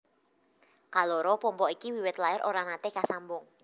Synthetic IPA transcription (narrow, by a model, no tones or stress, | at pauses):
kalɔɾɔpɔmpɔikiwiwɪt̪laɪɾʔoɾanat̪ekasambʊŋ